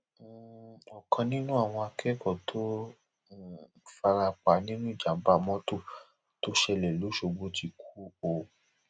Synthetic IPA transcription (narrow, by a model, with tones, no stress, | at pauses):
ɔ˨kʰã˧nĩ˦nũ˦a˦˨w̃ɔ̃˧a˧kʰɛ˦kɔ˦˨tʰo˦˨ | fa˧ɾa˧k͡pa˨˦nĩ˦nũ˦i˦˨d͡ʒã˨˦ba˦˨mɔ̃˦to˦˨ | to˦ʃɛ˧˦˨lɛ˨lo˨˦ʃo˧ɡ͡bo˦ti˧kʰu̥˦o˨